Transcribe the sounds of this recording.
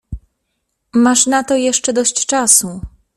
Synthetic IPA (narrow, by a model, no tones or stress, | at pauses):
maʂnat̪ɔjɛʂt͡ʂɛd̪ɔɕt͡ɕt͡ʂasu